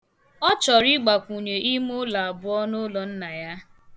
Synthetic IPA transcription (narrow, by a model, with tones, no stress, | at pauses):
ɔ˦t͡ʃɔ˨ɾi˦ɡ͡ba˨kʷu˨ɲe˨ʔi˦mo˦la˨a˨bʊ˦ɔ˦no˦lɔ˨n̩˦na˨ja˦